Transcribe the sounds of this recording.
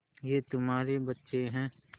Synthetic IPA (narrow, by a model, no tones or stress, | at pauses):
jeːt̪ʊmaːɾebɐtːʃeɦɛ̃ː